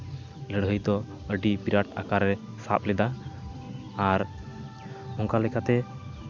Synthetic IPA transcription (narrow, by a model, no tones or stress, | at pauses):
ləɽɦəjt̪ɔ | əɖibiɾaʈa̰kaɾːɛ | sa̰p̚lɛd̪aː | ɾ | ɔŋkalɛkat̪ɛ